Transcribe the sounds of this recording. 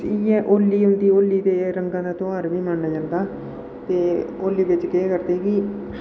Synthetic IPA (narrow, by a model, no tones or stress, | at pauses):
iːɛʔoːlːiːɦʊ̃nd̪iːoːlːiːd̪eːɾəŋɡãːd̪aːt̪õːaːɾʋiːməɳnaːd͡ʒãːnd̪aː | t̪eːoːlːiːʋɪt͡ʃkeẽːkəɾt̪eki